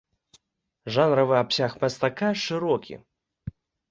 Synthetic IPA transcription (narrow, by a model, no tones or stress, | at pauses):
ʐanɾɐvɨapsʲaxmʲɐst̪akaʂɨɾɔkʲḭ